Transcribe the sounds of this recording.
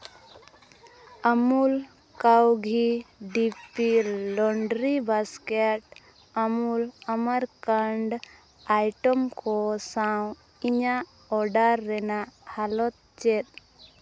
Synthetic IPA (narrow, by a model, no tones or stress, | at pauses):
əmul | kawɡʱiɖipilɔɳɖɾibaskeʈ | əmuləməɾkəɳɖ | ajʈɔmkɔsaw̃ | iɲa | ɔɖaɾːɛnaʔhalɔt̪̚t͡ʃɛt̪̚